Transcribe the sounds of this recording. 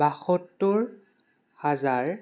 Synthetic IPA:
baxɔtːɔɹ | hazaɹ

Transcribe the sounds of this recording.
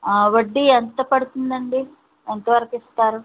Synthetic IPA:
ʋoɖːient̪ɐpɐɽut̪und̪ɐɳɖi | ent̪ɐʋɐɾɐkist̪aːɾu

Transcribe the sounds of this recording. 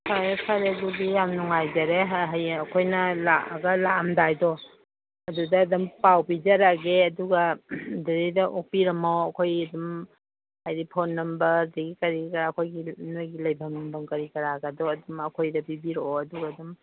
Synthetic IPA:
kʰaɾekʰaɾeduɡijamnuŋajzaɾeɦaɦajɐkʰojnɐlaʔɡɐlaamdajdɔ | ɐdudɐːdɐmpawbid͡ʒaɾaɡeɐduɡɐdeɾidɐʔok̚piɾɐmawɐkʰojɐdum | hajɾipʰonːɐmbɐɾdɐɡikɐɾikɐɾakʰojɡinojɡilɐjbʱɐŋnɐmbɐŋkɐɾikɐɾaɡɐdɔɐdumɐkʰojdɐbibiɾoɐduɡɐːdum

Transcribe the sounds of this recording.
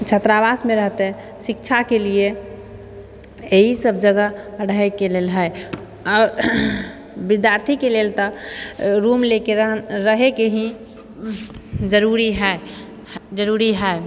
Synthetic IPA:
t͡ʃʰət̪ɾabasmeɾəɦt̪ɦɛ | sikt͡ʃʰakelie | eɦisəb̚ʱd͡ʒəɡəəɽəɦekelelɦɛe | ɔːɾ | bid̪jaɾt̪ʰikelelt̪ə | ɾumlekeɾɾəɦekeɦĩ | d͡ʒəɾuɾiɦɛ | d͡ʒəɾuɾiɦɛ

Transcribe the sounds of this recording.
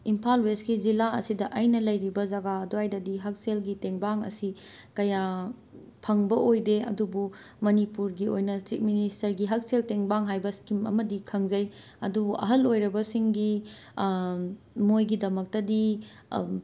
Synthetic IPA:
impʰalweskizilaɐ̰sidɐʔɐjnɐlɐjɾibɐzɐɡaɐduajdɐdiɦɐk̚selɡiteŋbaŋɐ̰si | kɐja | pʰɐŋbɐʔojdeɐ̰dubu | mɐnipuɾɡiojnɐst͡ʃit̚ministɐɾɡiɦɐk̚selteŋbaŋɦajbɐskimɐ̰mɐdikʰɐŋzɐj | ɐdubuʔɐ̰ɦɐlojɾɐbɐsiŋɡi | mojɡidɐmɐk̚tɐdi

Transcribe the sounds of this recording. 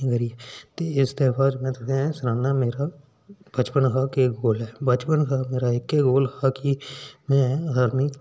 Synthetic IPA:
ĩɡəɾiːt̪eɪst̪eːbaːd͡ʒmɛ̃t̪əẽɛ̃sɾaːnameːɾa | b̥ət͡ʃpənkaːkeːɡoːlɦɛːbət͡ʃpənkaːmeːɾaːɪkːeɡoːlhaːkimɛ̃ːɦaːɾmi

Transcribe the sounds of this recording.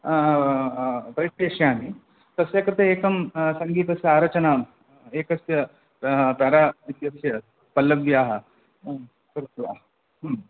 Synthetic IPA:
pɾɐikɾiʃjaːni | t̪ɐsjɐkɾɨt̪eeːkɐmsɐŋɡiːt̪ɐsjɐaːɾɐt͡ʃɐnaː | eːkɐsjɐ | paːɾaːʋit̪jɐpsjɐ | pɐlːɐbjaːɦɐ̆ | kɐɾut̪ʋaːɦɐ | ɦm

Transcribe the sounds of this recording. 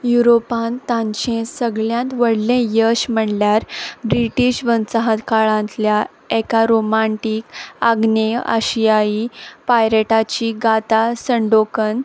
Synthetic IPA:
juɾopãnt̪ãɲt͡ɕẽsəɡɭjãnt̪ʋəɽlẽjəɕm̤əɳljaɾbɾiʈiɕʋənsaɦãt̪kaɭãnt̪lja | ɛkaɾomãɳʈiːka̰ɡnea̰ɕijaipajɾeʈat͡ɕiɡat̪asəɳɖokən

